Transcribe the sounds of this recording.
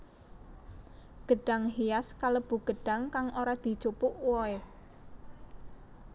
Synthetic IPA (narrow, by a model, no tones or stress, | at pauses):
ɡ̥ə̤ɖ̥a̤ŋɦiaskaləb̥ṳɡ̥ə̤ɖ̥a̤ŋkaŋʔoɾad̪̥i̤̥t͡ʃupʊʔwɔe